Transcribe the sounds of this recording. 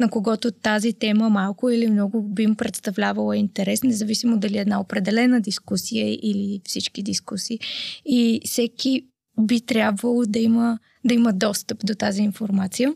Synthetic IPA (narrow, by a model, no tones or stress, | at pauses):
nɐkoɡɔt̪ʊt̪azit̪ɛməmalˠkʊilimnɔɡʊbimpɾɛt̪st̪ɐvlʲavəlˠəint̪ɛɾɛsnɛzɐvisimod̪ɐliɛd̪naopɾɛd̪ɛlɛnəd̪iskusijəʔilifsit͡ʃkid̪iskusiːifsɛki | bit̪ɾʲjabvəlˠod̪ɐimə | d̪ɐiməd̪ɔst̪əpd̪ot̪aziːnfoɾmat̪sijə